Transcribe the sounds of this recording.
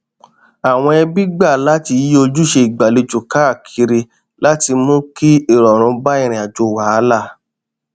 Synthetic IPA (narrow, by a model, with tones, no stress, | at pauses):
a˨w̃ɔ̃˧ɛ˧bi˦ɡ͡ba˦˨la˨˦ti˧˨˦o˧d͡ʒu˦ʃe˧i˨ɡ͡ba˨le˧d͡ʒo˨ka˨˦a˦˨kʰi˧˦ɾe˧ | la˦ti˧mõ˦ki˦i˦˨ɾɔ˨ɾ̃ũ˨˧˦ba˦i˦˨ɾ̃ĩ˨a˨d͡ʒo˧˨wa˨˦la˦˨